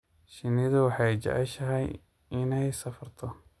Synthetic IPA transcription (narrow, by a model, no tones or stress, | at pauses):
ʃɪnɪðʊwɑħɑjt͡ʃɐ̰ʕɪʃɐɦɛj | ɪnɛjsɐfɐrt̪ʰɔ